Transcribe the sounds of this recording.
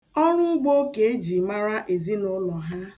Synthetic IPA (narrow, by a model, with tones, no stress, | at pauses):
ɔ˦ɾʊ˦ʊ˦ɡ͡bo˦ke˨e˦d͡ʒi˨ma˦ɾa˦ʔe˨zi˦nʊ˦lɔ˨ɦa˦